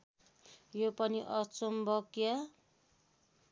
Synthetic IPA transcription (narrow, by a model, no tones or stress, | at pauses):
jopʌniʔʌt͡sombʌkja